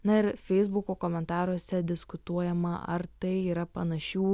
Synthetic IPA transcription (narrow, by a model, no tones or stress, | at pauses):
nɐɪɾfʲɛɪzbukoːkoːmʲɛnt̪ɑːɾuɔsʲɛd̪ʲɪskʊt̪uɔjɛmɐʔɐ̰ɾt̪ɐɪiːɾɐpɐnɐʃʲuː